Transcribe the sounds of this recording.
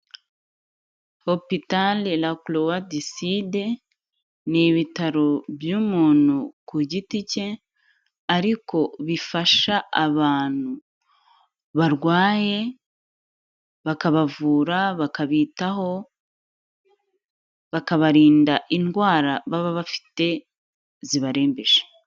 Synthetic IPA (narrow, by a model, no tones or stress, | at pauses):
ho̞pitalelaklowadiside̞ | niβitaɾobjuːmuːn̥ukuɟitice̞ | aɾiko̞βifaʃaaβaːn̥u | βaɾɡwaːje̞ | βakaβavuːɾaβakaβiːtaɦo̞ | βakaβaɾiːndaʔinɡwaːɾaβaβaβafi̥te̞ | ziβaɾe̞ːmbe̞ʒe̥